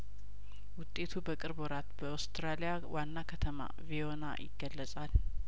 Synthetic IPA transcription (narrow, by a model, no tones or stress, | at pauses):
wʊt̪ʼːe̞t̪ʰubəkʼɨɾboɾat̪bəawst̪ʰɾalijawʔanːakʰət̪ʰəma̰viona̰jɪ̰ɡːəlːəsʼal